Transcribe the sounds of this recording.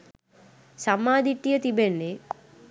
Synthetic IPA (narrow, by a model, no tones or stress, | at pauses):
samːaːd̪iʈːijət̪ibenːe